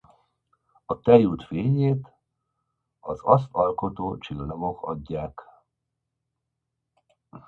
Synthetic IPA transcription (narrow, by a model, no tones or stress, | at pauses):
ɒt̪ɛjult̪feːɲeːt̪ | ɒzɒs̬t̪ɒlko̞t̪oːt͡ʃilnoɡo̞kɒ̰ɟːaːk